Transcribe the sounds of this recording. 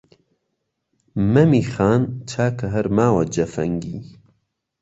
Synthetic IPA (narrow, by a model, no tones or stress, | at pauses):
mɐmiːxaːnt͡ʃʰaːkʰɐɦɐɾmaːwɐd͡ʒɐfɐ̰ŋɡiː